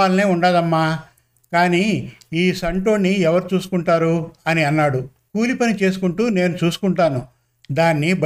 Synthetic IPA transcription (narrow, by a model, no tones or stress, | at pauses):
aːlɐne̞ːuɳɖaːd̪ɐmːaː | kaːniːiːsɐɳʈo̞ːnːiɛʋɐɾut͡ʃuːsu̥kuɳʈaːɾuɐniɐnːaːɽu | kuːlipɐnit͡ʃe̞ːsu̥kuɳʈuːne̞ːnut͡ʃuːsu̥kuɳʈaːnu | d̪aːnːib